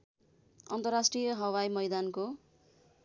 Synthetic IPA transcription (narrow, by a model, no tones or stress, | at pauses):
ʌnt̪ʌrasʈrijʌɦʌwajmʌjd̪anko